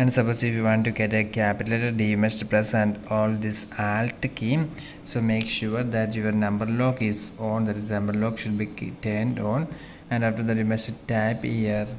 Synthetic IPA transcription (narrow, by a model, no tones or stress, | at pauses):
ɛ̃ɳɖsɐpoːsifjiʋɔ̃ːɳʈːuɡeʈekæpɪʈəleʈəɖiːmesʈpɾɛsæ̃ɳɖɔːld̪isaːlʈkĩːm | soːmeːkʃuːɾd̪æʈjuʋəɾnɐ̃mbəɾloːkɪzɔ̃ːnd̪æʈɪznɐ̃mbəɾloːkʃʊɖ̚biʈẽːnɖɔ̃ːn | æ̃ɳɖaːfʈəɾd̪æʈimɐsʈʈaɪphiəɾ